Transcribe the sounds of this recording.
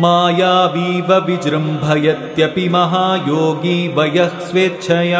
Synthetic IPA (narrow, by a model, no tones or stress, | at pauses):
maːjaːʋiːʋɐʋid͡ʒɾɐmbʱɐjɐt̪jɐpimɐɦaːjoːɡiːʋɐjɐsʋeːt̪ːʃʰɐjɐ